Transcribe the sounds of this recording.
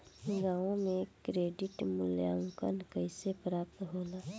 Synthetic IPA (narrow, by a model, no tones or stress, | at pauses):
ɡaːõmẽkɾeːɖɪʈmʊljaːʊ̃ŋkə̰nkəɪsepɾaːp̚t̪ɦoːlaː